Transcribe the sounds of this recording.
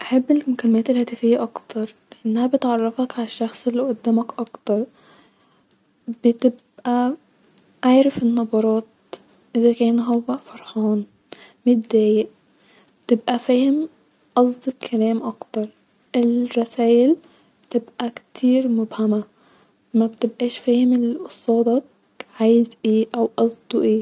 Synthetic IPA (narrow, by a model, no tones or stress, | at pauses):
ʔaħabːelmʊkælːɪmæːt̪elhæːt̪æfɪjːæʔɑkt̪ʰɑɾˤleʔenːæhæbet̪ʕɑrˤːɑfɑkʕalæʃːɑxsˤelːiʔʊd̪ːæːmækʔɑkt̪ɑɾˤ | bɪt̪ɪb | ʔæ | ʔaʕɾafenːɑbɑɾˤɑːt̪ | ʔɪzækæːnɦowːæfɑɾˤħɑːn | mɪt̪̚d̪æːjeʔ | bt̪ɪbʔæfiːhɪm | ʔɑzˤd̪ˤɨkʰælæːmʔɑkt̪ɑɾˤ | ʔɪlɾˤɑsæːʔɪl | bɪt̪ɪbʔækt̪ʰiːɾmʊbhama | mæbt̪ɪbʔæːʃfiːhɪmɪlʔʊsˤɑːd̪ɑ | ʕaːjɪzʔeːʔæwʔɑzˤd̪ˤuʔeː